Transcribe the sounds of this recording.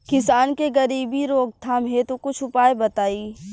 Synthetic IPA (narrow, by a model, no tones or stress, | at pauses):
kɪsaːnkeɡɐɾiːbʱiɾoːɡ̚t̪ʰaːmɦet̪okʊt͡ʃʰʊpaːebɐt̪aːiː